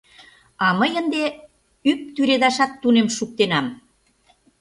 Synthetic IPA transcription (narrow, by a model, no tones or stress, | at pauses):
ɑməjənd̪e | yp̚t̪yɾed̪ɑʃɑt̪ːunemʃuk̚t̪enɑm